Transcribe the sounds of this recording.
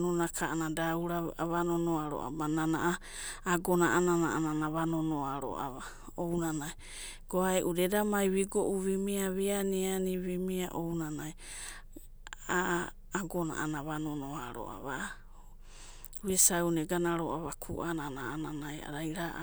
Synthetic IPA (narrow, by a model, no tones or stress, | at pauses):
nonakʰaanadauɾaβanonoaɾo̰ʔa̰bananaʔaː | ɡonaʔananaʔananaβanonoaɾo̰ʔa̰βa | ownanaj | ɡ̥oaeʔudedamajβiɡoʔuβimiaβeanianiβimiaʔownanaj | aː | ɡona̰ʔanaβanonoaɾo̰ʔa̰βa | βesawneɡanaɾoʔaβakʰṵʔananaananaja̰ɾajɾaʔ